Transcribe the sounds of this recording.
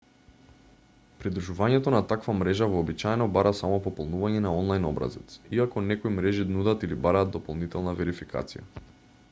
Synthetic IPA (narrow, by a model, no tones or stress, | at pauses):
pɾid̪ɾuʒuvaɲɛt̪ɔnat̪akvamɾɛʒavɔːbit͡ʃajɛnɔbaɾʔasamɔpɔpɔlˠnuvaɲɛnaɔnlˠajnɔbɾa̰zɛt̪siakɔnɛkoɔjimɾɛʒinud̪at̪ilibaɾaːd̪d̪ɔpɔlˠnit̪ɛlˠnavɛɾifikʰa̰t̪sija̰